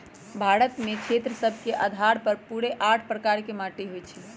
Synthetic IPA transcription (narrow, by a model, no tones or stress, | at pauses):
bʱaɾət̪mekʰet̪ɾəsəbʱkeʔəd̪ʱaɾpəɾpuɾeʔaʈʰpɾəkaɾkemaʈeɦojt͡ʃʰi